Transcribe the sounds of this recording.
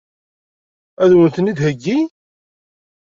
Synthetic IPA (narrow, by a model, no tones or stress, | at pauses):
æðwənθənid̪həɡːi